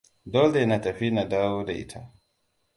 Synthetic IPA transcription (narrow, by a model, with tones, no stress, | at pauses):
dɔ˦ldɛna˨ta˨ɸi˦na˨daː˦wɔ˦dɛ˨ʔḭ˨tʰa